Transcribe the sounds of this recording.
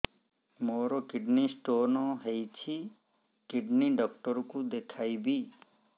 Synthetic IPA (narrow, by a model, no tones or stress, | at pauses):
moːɾokɪɖnisʈoːnɔɦejt͡ʃʰi | kɪɖniɖɔk̚ʈɔɾkud̪ekʰaibʱi